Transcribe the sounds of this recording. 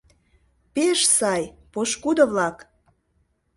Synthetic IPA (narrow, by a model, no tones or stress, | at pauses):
peʃsɑjpoʃkud̪əβlɑk